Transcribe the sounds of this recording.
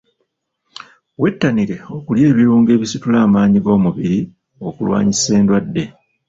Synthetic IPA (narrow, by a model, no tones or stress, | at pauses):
we̞tːaniɾe̞o̞kulje̞ːβiɾuːŋɡe̞ːβisitulaːmaːɲiɡo̞ːmuβiɾi | o̞kulwa̰ːɲise̞ːndwadːe̞